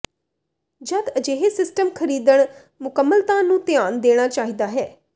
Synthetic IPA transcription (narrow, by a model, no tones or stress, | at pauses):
d͡ʒəd̪əd͡ʒeːɦesɪsʈəmkʰəɾiːd̪əɳ̃ | mʊkəmːəlt̪ãːnũːt̪ɪaːnd̪eːɽ̃aːt͡ʃaːɦiːd̪aːɦɛː